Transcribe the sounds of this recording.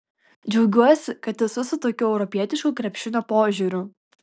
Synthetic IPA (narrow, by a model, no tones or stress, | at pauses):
d͡ʒʲɛʊɡʲuɔsʲɪkɐt̪ɛsʊsʊt̪oːkʲuɛʊɾɔpʲiɛt̪ʲɪʃkuːkɾʲɛpʲʃʲɪnʲoːpoːʒʲʊɾʲʊ